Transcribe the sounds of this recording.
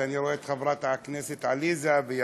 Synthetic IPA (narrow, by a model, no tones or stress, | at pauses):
ʔaniɾˤoʔet̪xabɾˤɑːt̪ʕakneːsɪt̪ʕaliːzabɪ